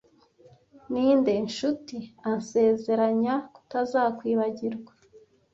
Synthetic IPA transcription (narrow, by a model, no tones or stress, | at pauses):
niːnde̞nʃutianse̞ːze̞ɾaɲaku̥tazaːkwiːβaɟiɾɡwḁ